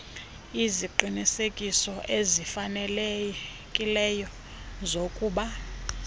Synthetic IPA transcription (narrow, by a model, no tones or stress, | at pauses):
iziǃinisekʼisɔʔezifanɛl | kʼilɛjɔ | zokʼuːɓa